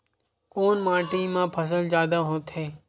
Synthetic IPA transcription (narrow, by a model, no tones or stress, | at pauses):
koːnmãːʈĩːmãːpʰəs̬əld͡ʒjaːd̪aɦoːt̪ɦeː